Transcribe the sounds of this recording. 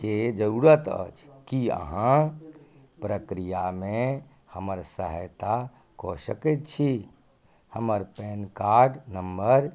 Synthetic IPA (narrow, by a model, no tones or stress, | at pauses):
ked͡ʒəɾuɾət̪ə̰t͡ʃʰkiə̰ɦã | pɾəkɾijamẽ | həməɾsəɦə̰jt̪a | kosəkɛt̪t͡ʃʰi | həməɾpenkaɾɖnəmbəɾ